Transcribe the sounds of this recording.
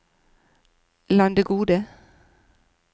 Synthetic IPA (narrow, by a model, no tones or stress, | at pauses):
lɑnd̪əɡuːd̪ə